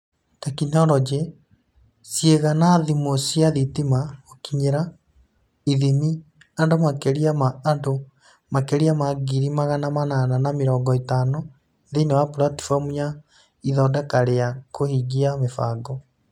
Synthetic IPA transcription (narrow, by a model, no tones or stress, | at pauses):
takinɔɾɔd͡ʒe | sjeɣanaðimosiaðitimaokiɲeɾa | iðimi | andomakeɾiamaːndo | makeɾiamaɡiɾimaɣanamanananameɾɔːŋɡɔetaːnɔ | eðeinewapuɾati̥famuɲa | iðɔːdɛkaɾeakʰohiɡiamefaːɡɔ